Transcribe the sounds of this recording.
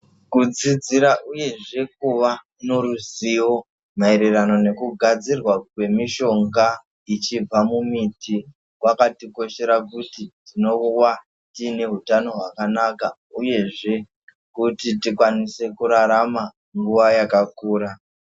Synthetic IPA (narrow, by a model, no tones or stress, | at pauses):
kud͡zid͡ziɾaʔuje̞ʐe̞k̚uʋa | no̞ɾuziwo̞ | maeɾerano̞ne̞kuɡʱad͡zirwakwe̞miʃo̞ŋɡa | it͡ʃib͡vamumiti | kwakatiko̞ʃe̞ɾakutitino̞wa | tine̞ɦutano̞ɦwakanaka | uje̞ʐe̞ | kutitikwanise̞kuɾaɾama | ŋɡuʋajakakuːɾa